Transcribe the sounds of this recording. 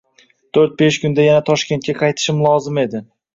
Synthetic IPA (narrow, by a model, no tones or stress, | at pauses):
t̪ʰoɾt̪̚beʃkʲʊnd̪ajanat̪ʰɒʃkʲe̞nt̪̚kʲaqʰɑjt̪ʰɪ̥ʃɪmlˠɒzɪme̞d̪ɪ